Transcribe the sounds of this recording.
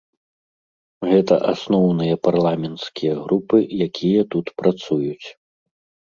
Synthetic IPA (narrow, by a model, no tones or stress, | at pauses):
ɣɛt̪ɐ̰ʔasnɔwnɨjɐparlˠamʲɛnt̪skʲijɐɣɾupɨjakʲʰijɐt̪ut̪pɾat̪sujut͡sʲ